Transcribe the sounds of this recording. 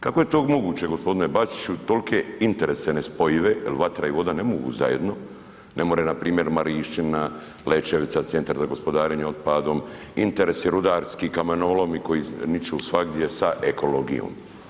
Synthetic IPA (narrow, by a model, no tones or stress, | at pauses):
kako̞je̞t̪oːɡmo̞ɡuːt͡ɕeɡo̞spo̞d̪ine̞bat͡ʃ̪i̥t͡ʃut̪o̞lkʰe̞int̪e̞ɾesenespo̞jiʋe̞ilʋat̪ɾaiʋo̞d̪ane̞moɡṵza̰jḛd̪no̞ | ne̞moɾenapɾiːmje̞ɾmaɾiːʃt͡ʃina | let͡ʃeʋit̪sat̪e̞nt̪aɾzaɡo̞spo̞d̪aːɾeɲeod̪̚pad̪o̞m | int̪eɾeseɾud̪aːɾskikamenolomiko̞jinit͡ʃeusʋaɡd̪jesaʔekʰo̞lo̞ɡḭjo̰ːm